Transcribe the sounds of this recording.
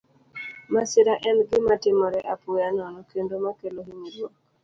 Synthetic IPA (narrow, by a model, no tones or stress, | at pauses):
masɪɾaʔɛnɡɪmatɪmɔɾɛʔapʊjanɔnɔkendomakeloɦiɲidwok